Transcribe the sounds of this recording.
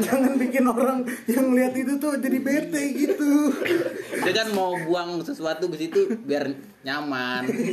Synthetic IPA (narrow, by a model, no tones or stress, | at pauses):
d͡ʒaŋanbikɪnoɾaŋjaŋməliat̪it̪̬ut̪ʊd͡ʒadibet̪ɛɡit̪u | dakanmaubuaŋsəsuat̪ukisit̪ubiar | ɲaman